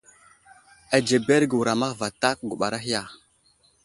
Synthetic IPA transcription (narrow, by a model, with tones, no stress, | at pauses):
a˨d͡ʒe˨be˦ɾɡə˨wu˨ɾa˨ma˦ɣva˨ta˦k̚ɡu˨ɓa˨ɾa˦ɦi˦ja˨